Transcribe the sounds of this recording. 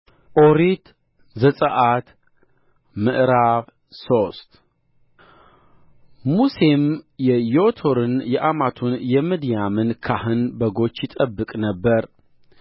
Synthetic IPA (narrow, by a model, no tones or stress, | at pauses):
ʔoɾit̪ | zəsʼəʔat̪ | mɨʔɾaβ | so̞st̪ | muse̞mjɛjot̪ʰo̞ɾɨnjɛʔamat̪ʰunjɛmɨd̪jamɨnkʰahɨnbəɡo̞t͡ʃːjɪt̪ʼəbːɨkʼnəbːəɾ